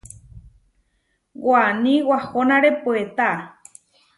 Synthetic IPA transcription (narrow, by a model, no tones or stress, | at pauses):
wanĩwahonãɾepuet̪a